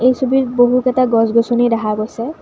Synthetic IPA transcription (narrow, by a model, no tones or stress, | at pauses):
ejsubiɹboɦukɛtaɡɔzɡosunejdaɦaɡojsɛ